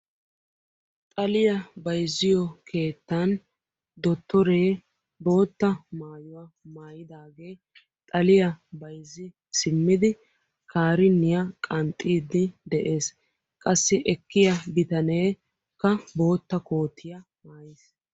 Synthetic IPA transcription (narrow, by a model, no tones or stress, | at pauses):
t̪ʼɐlɪjɐbɐjzːɪjɔkʰe̞ːt̪ːɐn | d̪ɔt̪ːɔɾe̞ː | bo̞ːt̪ːɐmaːjʊwɐ | maːjɪd̪aːɡe̞ː | t̪ʼɐlɪjɐbɐjzːɪ | sɪmːɪd̪ɪ | kʰaːɾɪnːɪjɐkʼɐnt̪ʼːiːd̪ːɪd̪ɛʔe̞ːs | kʼɐsːɪʔɛkːɪjɐbɪt̪ɐneː | kːɐbo̞ːt̪ːɐko̞ːt̪ʰːɪjɐ | maːjes